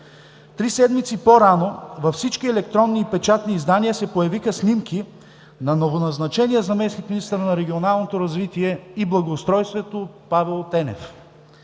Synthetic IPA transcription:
t̪ɾisɛd̪mit̪sipoɾanovɐfsit͡ʃkiɛlɛkt̪ɾɔnːiːpɛt͡ʃat̪niːzd̪aniəsɛpojɐvixɐsnʲimkʰi | nɐnovonɐznɐt͡ʃɛnijəzɐmɛsnik̪minist̪əɾnɐɾɛɡʲionalˠnot̪oɾɐzvit̪iɛiblˠɐɡoʊst̪ɾɔjst̪vɛt̪opavɛlˠt̪ɛnɛ̰f

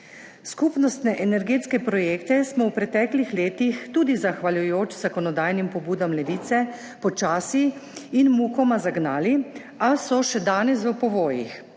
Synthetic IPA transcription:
skupnɔst̪nɛʔɛnɛɾɡeːt̪skɛpɾɔjeːkt̪ɛsmɔwpɾɛt̪ɛːklixleːt̪ixt̪uːd̪izaxʋaljujoːt͡ʃzakɔnɔd̪aːjnimpɔbuːd̪amlɛʋiːt̪sɛ | pɔt͡ʃaːsiinmukɔmazaɡnaːli | asɔʃɛd̪aːnɛsʋəpɔʋoːjḭx

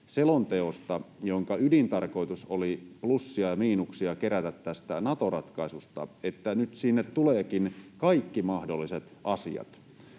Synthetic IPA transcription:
selont̪e̞ost̪ɑjoŋkɑydint̪ɑrko̞jt̪usoliplusːiɑjɑmiːnuksiɑke̞ɾæt̪æt̪tæst̪ænɑt̪o̞rɑt̪kɑisust̪ɑ̰et̪ːænyt̪sinːet̪t̪uleːkinkɑikːimɑhdolːiset̪ɑsḭɑ̰t̪

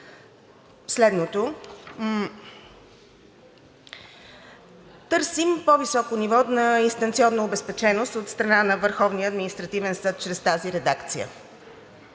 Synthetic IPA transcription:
slɛd̪not̪o | t̪ɤɾsimpovisɔkonivɔnɐinst̪ɐnt̪siɔnːoːbɛspɛt͡ʃɛnost̪ot̪st̪ɾɐnanəvəɾxɔvniəːd̪minist̪ɾɐt̪ivɛnsɤt̪̚t͡ʃɾɛst̪aziɾɛd̪akt̪sijə̰

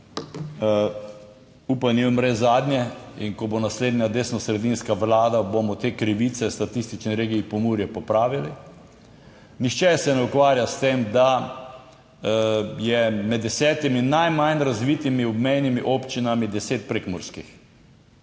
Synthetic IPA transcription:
uːpanimɾɛzaːd̪njɛḭŋkɔbonasleːd̪nʲjad̪eːsnɔsɾɛd̪inskaʋlaːd̪abomɔt̪eːkɾiʋit̪sɛst̪at̪ist̪it͡ʃniɾeːɡiipɔmuːɾjɛpɔpɾaːʋili | nixt͡ʃɛsɛnɛukʋaːɾjast̪eːmd̪a | jɛmɛd̪ːɛsɛːt̪iminnajmajnɾazʋiːt̪imiɔbmɛjnimiʔopt͡ʃinamid̪ɛseːt̪̚pɾekmɔɾskix

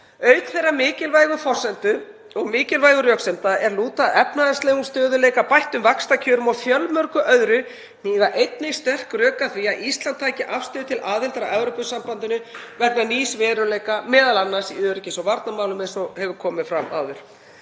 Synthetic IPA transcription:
œːɥt̪θejrːamɪːcɪlvajɣʏfɔr̥sɛnt̪ʏ | ɔɣmɪːcɪlvajɣʏɾjœksɛmt̪aɛɾluːt̪aʔɛpnaðast̪leːjɣumst̪œːðʏleːjkapajht̪ʏmvakst̪acʰœːɾʏmɔfjœlmœɾkʏʔœðɾʏ | niːðaʔejt̪̚nɪjst̪ɛr̥krœːkaθviaʔist̪lant̪ʰːaːjcɪʔafst̪ʏːðʏt̪ʰɪlaːðɪlt̪aɾaʔɛvɾowpʏsampant̪ʏnʏvɛknaniːsvɛːɾʏleːjkamɛːðalanːasiœɾcɪsɔvaɾt̪namaːwlʏmɛsɔhɛvʏɾkʰɔːmɪfɾama̰wðʏɾ̥

